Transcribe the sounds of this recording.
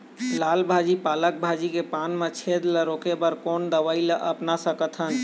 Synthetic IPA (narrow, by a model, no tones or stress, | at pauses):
laːlbʱad͡ʒipaːlək̚bʱad͡ʒikepanmẽt͡ʃʰed̪ləɾokebəɾkond̪əʋailəʔəpnasəkət̪ʰɦən